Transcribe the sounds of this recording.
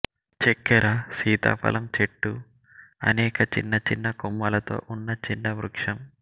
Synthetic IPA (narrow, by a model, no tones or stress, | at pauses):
t͡ʃekːɐɾɐsiːt̪a̰ːpʰɐ̰lʔɐmt͡ʃeʈːu | ɐ̰nɛːkɐt͡ʃḭnːɐt͡ʃinːɐkumːɐlɐt̪o̞̰ːʔunːɐt͡ʃinːɐʋɾukʂɐm